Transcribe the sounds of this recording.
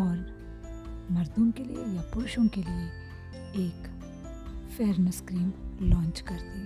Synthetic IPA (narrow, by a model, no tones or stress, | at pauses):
ɔːɾ | mɐɾd̪õkelḭjḛjapʊɾʃõkelie | eːk | fʰeːɾnəskɾiːmlɔ̃ːnt͡ʃkɐɾt̪e